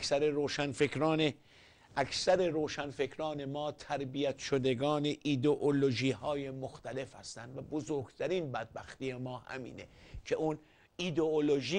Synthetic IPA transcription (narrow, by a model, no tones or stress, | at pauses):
sæɾeɾoːʃænfekɾɒːne | ʔæksæɾe̞ɾoːʃænfe̞kʰɾɒːne̞mɒːt̪ʰæɾbijæt̪ʰʃod̪eɡɒːne̞ʔid̪oʔoloʒiːhɒːje̞moxt̪ʰæle̞fhæ̰st̪ænd̪væbozoɾɡ̥t̪ʰæɾiːnbæd̪̚bæxt̪iemɒːhæ̰mḭːnecʰe̞ʔun | id̪eoloʒiː